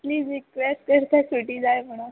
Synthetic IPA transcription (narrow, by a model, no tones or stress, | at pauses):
pliːd͡zɾikʋesʈkəɾt̪ʰasoʈiːd͡zajm̤əɽ̃ũ